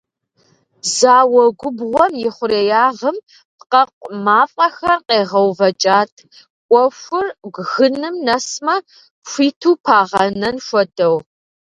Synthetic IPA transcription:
zaːwɔɡʷʊbʁʷɔmjɪχʷʊɾeːjaːʁəm | pqɐqʷmaːfʼɐxɐrqeːʁɐwvɐt͡ʃʼaːtʰ | kʷʼɔfʷʊrɡʷɣɨnɨmnɐsmɐ | ɕʷiːtʰuːpʰaːʁɐnɐnʃʷɔdʰɐw

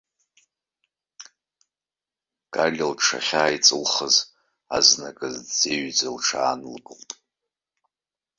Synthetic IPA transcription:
ɡ̥ʼaɮʲɪlʈ͡ʂʰa̰χʲaːjt͡sʼɨlχəz | aznakʼɨzd͡zeɥd͡zalʈ͡ʂʰaːnɨlɡɨltʼ

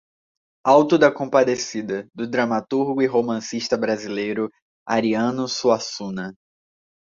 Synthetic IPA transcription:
awt̪ʊd̪ɐkõpad̪esid̪ɐd̪ʊd̪ɾɐmat̪uɾɡʊiɦomɐ̃siʃt̪ɐbɾazilejɾʊ | a̰ɾiɐ̃nʊsuasũnɐ

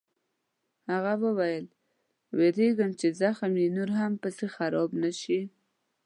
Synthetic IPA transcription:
haɣawəwajəl | weɾeɡəmt͡ʃezaxamjinoɾɦampəsexaɾɑbnaʃi

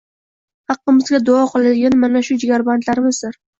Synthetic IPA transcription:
hɑqːɨmɪzɡʲad̪ʊɒqʰɨlˠad̪ɪɡʲanmanaʃʊd͡ʒɪɡʲaɾbant̪laɾɪmɪzd̪ɪɾ

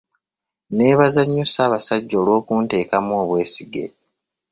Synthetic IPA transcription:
ne̞ːβazaɲːusaːβasaɟːo̞ːlwo̞ːkuːnte̞ːkamoːβwe̞ːsiɡḛ

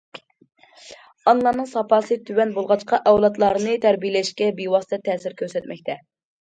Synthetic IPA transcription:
ɑnlˠɑnɨŋsɑpɑːsɨt̪ʰywɛnbolˠʁɑt͡ʃqɑʔɛwlˠɑt̪lˠɑɾɨnɨt̪ʰæɾbijlɛʃkʲɛbewɑst̪ʰɛt̪ʰɛːsɪɾkʲʰøɾsɛt̪mɛkʲt̪ʰɛ

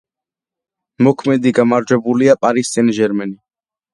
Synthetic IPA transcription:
mɔkʰmɛd̪iɡamaɾd͡ʒɛbuliapʼaɾist̪ʼɛnʒɛɾmɛni

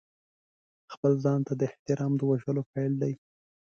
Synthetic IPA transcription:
xpəlzɑnt̪ad̪əɪht̪ɪɾɑmd̪əwaʒəlopajld̪aj

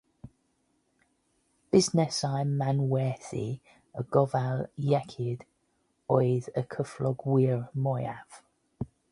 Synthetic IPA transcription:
b̥ɪznɪsaɪmːanwɛːθḭ | əɡɔvaljɛkʰɪd̥ | ɔɪðəkʰəflɔɡwɪəɹmɔɪav̥

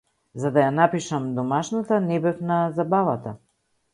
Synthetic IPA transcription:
zad̪ajanapiʃamd̪ɔmaʃnat̪anɛbɛfnazabavat̪a

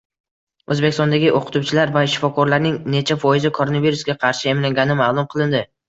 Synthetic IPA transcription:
ɵzbekʲɪst̪ɒnd̪aɡʲɪʔoqʰʊ̥t̪ʰuwt͡ʃʰɪlaɾvaɪʃːɪ̥fɒkʰɒɾlaɾnɪŋne̞t͡ʃʰafɒjɪzɪkʰoɾo̞naviɾusɡʲaqʰɑɾʃɪemlaŋɡʲanɪmalˠʊmqʰɨlˠɪnd̪ɪ

